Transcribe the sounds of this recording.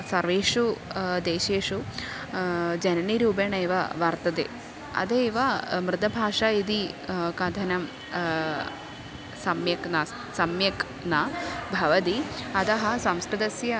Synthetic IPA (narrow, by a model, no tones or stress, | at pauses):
sɐɾʋeːʂud̪eːʃeːʂu | d͡ʒɐnɐniɾuːbeːɳɐjʋɐʋɐɾt̪ɐd̪ḛː | ɐ̰d̪eːʋɐmɾɨt̪ɐbʱaːʂɐid̪ikɐd̪ʱɐnɐm | sɐmjɐkna | sɐmjɐk | nabʱɐʋɐt̪iɐd̪ɐɦɐ̆sɐmskɾɐd̪ɐsjɐ